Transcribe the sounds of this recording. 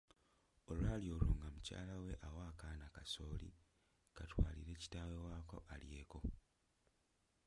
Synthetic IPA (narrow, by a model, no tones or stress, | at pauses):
oluaːljo̞ːloːŋɡamuca̰ːlawe̞ʔawaːkaːnakaso̞ːlḭ | katwaːlḭɾe̞ːci̥taːwe̞waːko̞̰ʔalje̞ːko̞